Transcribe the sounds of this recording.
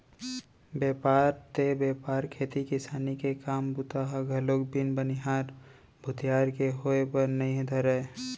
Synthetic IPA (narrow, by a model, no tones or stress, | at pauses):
bjeːpaːɾt̪ebeːpaːɾkʰeːt̪ikɪsaːnikekaːmbʊt̪aɦɡʱɐloːkbɪnbənɪɦaːɾ | bʱʊt̪jaːɾkeɦoepɐɾnɐĩd̪ʱəɾeː